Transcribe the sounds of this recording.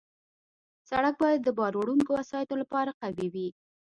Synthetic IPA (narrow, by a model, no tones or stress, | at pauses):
saɽak̚bɑjad̪ːəbɑɾoɽuŋkowasɑjat̪olapɑɾaqawiwi